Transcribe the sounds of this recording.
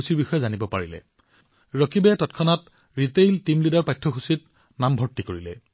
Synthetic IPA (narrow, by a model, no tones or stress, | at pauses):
usiɹbixɔjɛzanibɔpaɹilɛ̰ | ɹɔkʰibɛtɔtkʰɔnat | ɹitejltimlidaɹpajtʰɔxusit̚ | nambʱɔɹtːikoɹilɛ̰